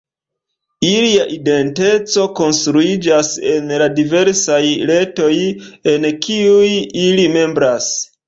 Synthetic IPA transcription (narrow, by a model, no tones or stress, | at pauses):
iliaʔide̞nte̞t͡so̞ko̞nstɾuid͡ʒase̞nladive̞ɾsajle̞to̞je̞nkiujilime̞mbɾas